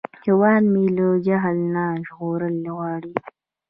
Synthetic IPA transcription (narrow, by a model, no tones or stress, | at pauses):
hewɑːd̪miləd͡ʒaɦəlnaʒɣoɾəlɣɑːɽi